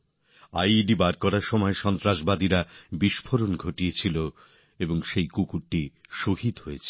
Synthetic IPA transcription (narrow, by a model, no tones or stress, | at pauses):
ajɖibaɾkɔɾaɾʃɔmɔeʃɔnt̪ɾaʃbad̪iɾabiʃpʰoɾonɡʱoʈijet͡ɕʰilo | eboŋʃejkukuɾʈːiʃoɦit̪ɦoet͡ɕʰ